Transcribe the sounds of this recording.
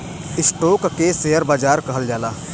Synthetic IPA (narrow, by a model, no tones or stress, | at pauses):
ɪsʈoːkːeseɦəɾbaːd͡ʒaːɾkəɦəld͡ʒaːlaː